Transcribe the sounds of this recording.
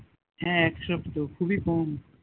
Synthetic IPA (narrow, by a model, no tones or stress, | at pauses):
ɦɛ̃ɛkʃʌbt̪okʰubikɔm